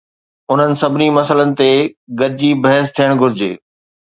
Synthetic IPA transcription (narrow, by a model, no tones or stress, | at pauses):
ʊn̤ənɪ̆sɐbʱɪnimɐsələnɪ̆t̪eɡɐɾɪd͡ʑibɐɦəst̪ʰijəɽ̃ɡʱʊɾɪd͡ʑḛː